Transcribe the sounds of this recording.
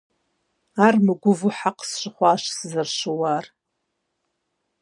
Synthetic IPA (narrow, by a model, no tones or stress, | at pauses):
armɨɡʷʊvʊħaqʼsʂʷɪχʷaʂszɨrʃʷɨwar